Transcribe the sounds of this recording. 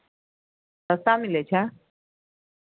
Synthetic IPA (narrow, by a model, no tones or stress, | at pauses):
t̪əsamilet͡ɕʰa